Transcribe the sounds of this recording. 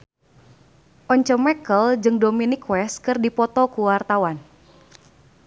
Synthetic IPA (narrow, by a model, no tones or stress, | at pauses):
ʔɔɲt͡ʃəmɛkəld͡ʒɨŋdominikwɛskɨrdipɔt̪ɔkuwart̪awan